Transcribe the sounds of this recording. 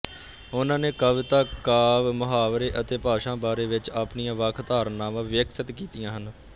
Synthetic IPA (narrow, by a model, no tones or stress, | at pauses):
ʊnãːneːkəʋɪt̪aːkaːʋmʊɦaːʋɾeːʔət̪eːpaːʃãːbaːɾeːʋɪt͡ʃaːpnijãːʋəːkʰt̪aːɾnːaːmãːʋɪjəksət̪kiːt̪ijãːɦən